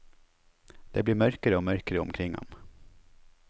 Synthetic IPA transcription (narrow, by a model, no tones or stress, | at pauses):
d̪̥ɛblɪɾmœɾkəɾəɔmœɾkəɾəɔ̰mkʰɾɪŋːɔ̰m